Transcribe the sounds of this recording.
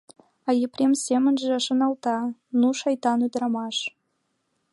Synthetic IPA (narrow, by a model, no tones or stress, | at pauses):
ɑjeprʲemsʲemə̆nʒeəʃɤ̆nɑlˠt̪ɑnuʃɑjt̪ɑnud̪ɾɑmɑʃ